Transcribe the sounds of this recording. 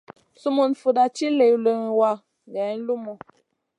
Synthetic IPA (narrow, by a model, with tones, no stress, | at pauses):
su˦mu˨nfu˨da˨ti˦le˨lə˨ŋ˨wa˦˨ | ɡɛ˨˦n̩˦lu˦mu˨